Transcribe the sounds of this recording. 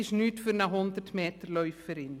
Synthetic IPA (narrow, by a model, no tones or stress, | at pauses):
ɪsnytfyrnaɦɔndərtmeːtərlœɥfːəɾɪn